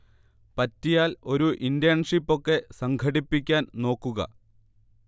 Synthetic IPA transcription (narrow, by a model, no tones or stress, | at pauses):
pɐtːijaːlo̞ɾuʔindjɐɳʂipːo̞kːe̞sɐŋɡʰʱɐɽipːikʲːaːnno̞ːkːuɣɐ̰